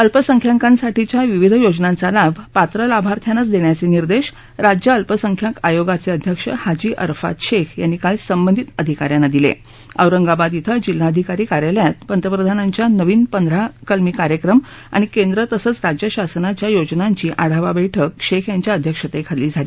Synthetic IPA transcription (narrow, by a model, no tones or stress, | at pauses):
əlpəsəŋkʰjaŋkãnsaʈit͡ɕjaʋiʋid̪ʱjod͡ʑnant͡salabʱpat̪ɾəlabʱaɾt̪ʰjanət͡sd̪eɳjat͡seniɾd̪eɕ | ɾad͡ʑjəəlpəsəŋkʰjakajoɡat͡seəd̪ʱjəkʂə̰had͡ʑiːʔə̰ɾfa̰t̪ɕekʰjanːikalsəmbənd̪ʱit̪əd̪ʱikaɾjanːad̪ilḛ | ə̰wɾəŋɡabad̪it̪ʰəd͡ʑilːaəd̪ʱikaɾiːkaɾjaljat̪̚pənt̪ɾəpɾəd̪ʱanaɲt͡ɕjanəʋiːnpənd̪ʱɾakəlmiːkaɾjəkɾəm | a̰ɽ̃ikend̪ɾət̪əsət͡sɾad͡ʑjəɕasənat͡ɕjajod͡ʑnaɲt͡ɕiːʔaɽ̤aʋabəjʈʰəkɕekʰjaɲt͡ɕjaəd̪ʱjəkʂət̪ekʰaliːd͡zʱaliː